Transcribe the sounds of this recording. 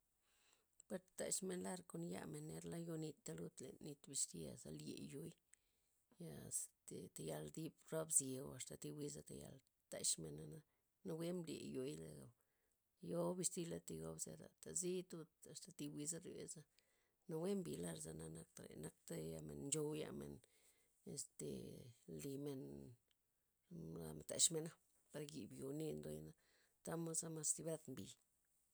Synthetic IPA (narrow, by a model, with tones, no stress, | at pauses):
pe˧ɾt̪t̪a˨ʃme˧nla˦ɾko˧nja̰˧me˨nːe˧ɾla˦jo˧ni˧t̪ːa˦lu˦t̪le˨ni˧t̪bi˧st̪i˦a˨za˧ljḛ˨jo˧j | ja˨t̪t̪a˨ja˧ld̪i˧bɾo˦bzje˨wa˧st̪a˨t̪i˧wi˦za˧t̪a˨ja̰˧l | t̪a˨ʃme˨nːa˧na˦ | na˧we˦mbljḛ˨jo˨jla̰˨ɡa˨w | jo˦bi˧st̪i˦˧la˦t̪i˧ɡo˦bzḛ˧ɾa̰˨t̪a˨zi˦t̪u˦t̪a˨st̪a˨t̪i˧wi˧za˦ɾje˨za˦ | no˧we˦mbi˨la˦˧ɾza˧na˧na˧k̚t̪a˨ɾḛ˨na˦k̚t̪a˦ja˧me˨nnd͡ʒo˧wja̰˧me˨n | e˧st̪ḛ˨li˨me˧n | la˧˨m˨t̪a̰˨ʃme˧na˦ | pa˧ɾɡi˨bjo˨ni˦˧nd̪o˧jna˦ | t̪a˦mo˦za˦ma˧st̪i˧ba˦t̪mbi˨